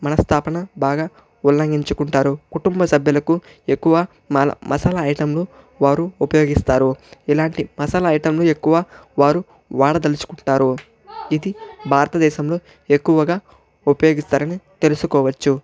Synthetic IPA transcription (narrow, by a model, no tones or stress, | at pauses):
mɐnɐst̪ʰaːpɐnɐbaːɡaː | ulːɐŋɡiɲt͡ʃukuɳʈaːɾukuʈumbɐsɐbʱjɐlɐku | e̞kːuʋɐ | mlɐ̰mʔɐ̰sɐlɐːjʈɐmlo | ʋaːɾuupɐjo̞ːɡist̪aːɾuilaːɳʈimɐsɐlɐːjʈɐmloːe̞kːuʋaːʋaːɾu | ʋaːɽɐd̪ɐlit͡ʃu̥kuɳʈaːɾu | id̪ibʱaːɾɐt̪ɐd̪ɛːʃɐmlo̞ː | e̞kːuʋɐɡaː | upɐjoːɡist̪aːɾɐnit̪e̞lusukɔːʋɐt͡ʃːu